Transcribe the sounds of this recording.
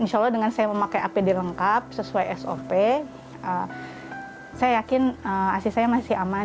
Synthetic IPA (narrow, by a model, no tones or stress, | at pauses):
inʃalːɔhdəŋansajaməmakajapidiləŋkap̚səsuajɛso̰pe | ʔə | sajajakɪnəa̰sisajamasɪhama